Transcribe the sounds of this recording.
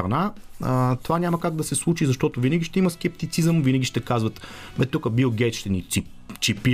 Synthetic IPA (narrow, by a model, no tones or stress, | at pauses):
ɾɐna | t̪ovanʲamɐkaɡ̚d̪ɐsɛslˠut͡ʃizɐʃt̪ɔt̪ʊvinəɡʲiʃt̪ɛiməskʲɛpt̪it̪sizəmvinəɡʲiʃt̪ɛkazvət̪ | bɛt̪ukəbilˠɡʲɛt̪ʃt̪ɛnii | t͡ʃipi